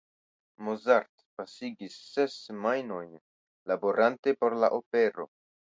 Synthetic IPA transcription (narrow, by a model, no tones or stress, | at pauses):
mozaɾt | pasiɡisːe̞smajno̞jn | labo̞ɾʔante̞po̞ɾla̰ʔo̞pe̞ɾo̞̰